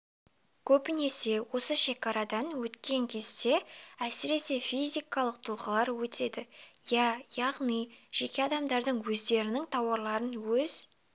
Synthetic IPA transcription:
kʲʰɵpɪne̞se̞wo̞səʃe̞kɑɾɑd̪ɑnwɵt̪kʲe̞ŋkʲʰe̞zd̪e̞æsɪɾe̞se̞fizʲijkɑlˠəq̚t̪ʰʊlˠʁəlˠɑɾwɵt̪e̞d̪ɪjɑjɑʁnijʒ̥e̞kʲe̞ɑd̪ɑmd̪ɑɾd̪əɴwɵzd̪e̞ɾɪnɪŋt̪ʰɑwɑɾlˠɑɾənwɵz

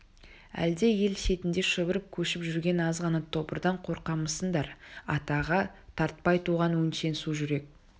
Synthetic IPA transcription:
æ̰ld̪e̞je̞lʃe̞t̪ɪnd̪e̞ʃəbəɾəp̚kʲʰɵʃɪpʒʏɾɡʲe̞nɑzʁɑnɑt̪ʰo̞pəɾd̪ɑɴqʰo̞ɾqɑməsənd̪ɑɾɑt̪ɑʁɑt̪ʰɑɾt̪̚pɑjt̪ʰuʁɑnwɵnʃe̞nsuʒʏɾe̞k̚

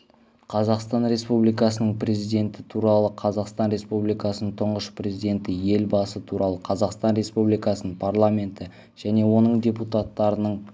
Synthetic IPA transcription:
qʰɑzɑqst̪ɑnɾe̞spublijkɑsənəɴpre̞zijd̪ʲe̞nt̪ɪ̥t̪ʰuɾɑlˠəqʰɑzɑqst̪ɑnɾe̞spublijkɑsənəɴt̪ʰʊɴʁəʃprʲe̞zijd̪ʲe̞nt̪ɪje̞lbɑsət̪ʰuɾɑlˠəqʰɑzɑqst̪ɑnɾe̞spublijkɑsənəɴpʰarlˠamʲe̞nt̪ɪ | ʒ̥æne̞wo̞nəɴdʲe̞put̪at̪ːɑɾənəɴ

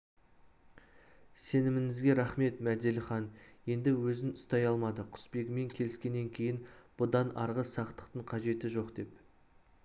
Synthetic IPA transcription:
se̞nɪmɪŋɪzɡʲe̞ɾɑχme̞t̪mæd̪elɪχɑnje̞nd̪ɪwɵzɪnʊst̪ɑjɑlˠmɑd̪əqʰʊ̥spe̞ɡʲɪme̞ŋkʲʰe̞lɪskʲe̞nːe̞ŋkʲʰe̞jɪnb̥ʊd̪ɑnɑɾʁəsɑqt̪ə̥q̚t̪əɴqʰɑʒe̞t̪ɪʒo̞qd̪e̞p

